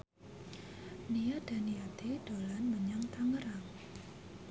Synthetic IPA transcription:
nijad̥a̤niat̪ed̥olanməɲaŋt̪aŋəɾaŋ

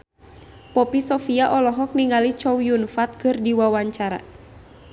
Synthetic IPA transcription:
pɔpisɔfiaʔɔlɔɦɔk̚niŋalit͡ʃɔwjunfat̪̚kɨrdiwawaɲt͡ʃaɾa̰

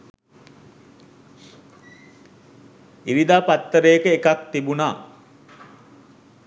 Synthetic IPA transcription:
iɾid̪aːpat̪ːəɾəjəkəekak̚t̪ibunaː

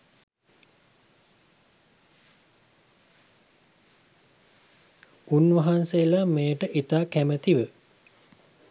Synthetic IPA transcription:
unʋɐɦanseəlameːəʈəʔit̪aːkæmət̪iʋə

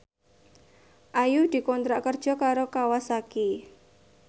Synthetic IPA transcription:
ʔajud̪̥i̤kɔnt̪ɾaʔkərd̥ʒ̥ɔ̤kaɾokawasaki

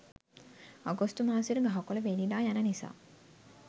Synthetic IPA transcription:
aɡostumaːsiɾuɡaɦakoləʋenilaːjanənisa̰ː

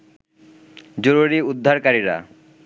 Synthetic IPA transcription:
d͡ʑoɾuɾiud̪ʱːaɾkaɾiɾa̰

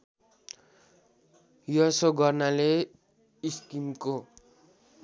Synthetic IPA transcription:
jʌsoɡʌrnale | iskimko

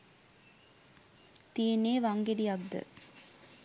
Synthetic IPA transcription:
t̪ijenːeːʋaŋɡeɖijak̚d̪ə̰

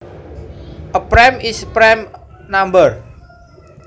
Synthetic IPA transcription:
ʔəpɾɛmispɾɛm | nambəɹ

